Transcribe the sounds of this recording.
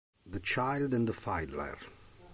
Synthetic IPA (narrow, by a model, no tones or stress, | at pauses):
ðət͡ʃaɪldɨ̃nðəfaɪdlə̰ɹ